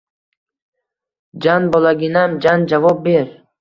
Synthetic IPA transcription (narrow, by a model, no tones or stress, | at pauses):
d͡ʒanbɔlaɡʲinamd͡ʒand͡ʒavɒb̚beɾ